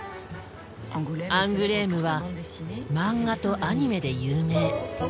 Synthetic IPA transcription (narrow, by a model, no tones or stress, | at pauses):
ãŋɡɯ̟ɾeːmɯ̟βa | mãŋːɡat̪o̞ʔaɲ̟ime̞d̪e̞jɯːme̞ː